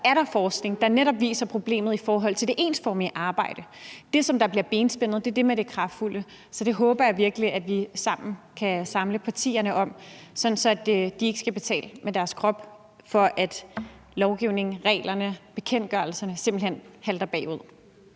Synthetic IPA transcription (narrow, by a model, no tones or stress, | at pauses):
æɐɾɑ̈fɒːsɡ̥ne̝ŋd̥ɑ̈neɾɒ̽b̥ʋḭːsɐpʰʁo̝b̥le̝̰ːmð̞̩ˠifɒːɦɒ̽l̰t͡sʰe̝lde̝ʔe̝ːnsfɒ̰ːmiʔɑ̈ːb̥ɑ̈ɪ̰ɾ̥əd̥e̝sɒ̽md̥ɑ̈b̥liɐb̥e̝ːnsb̥en̰ð̩ˠd̥e̝ɐd̥e̝meɾ̥e̝kʰʁɑ̈fd̥fulə | sɒ̽d̥e̝ɦɔ̽ːb̥ɐjɑ̈ʋiɐɡ̥əliʔæd̥ʋisɑ̈m̰n̩kʰæsɑ̈mləpʰɑ̈t͡sʰḭːɐnəʔɒ̽m̰sɒ̽n̩sɒ̽æd̥d̥ie̝ɡ̥ə̥sɡ̥æb̥e̝t͡sʰɛ̰ːləmed̥æɐskʰʁɒ̽b̥ | fɒ̽ʔæd̥ | lɒʊɡ̥iʊ̰ne̝ŋʁɛ̰ːlɐnəb̥e̝kʰen̰d̥ɡ̥ɶɐlsɐnəse̝m̰b̥l̩hen̰hæld̥ɐb̥ɛ̰ːuð̰ˠ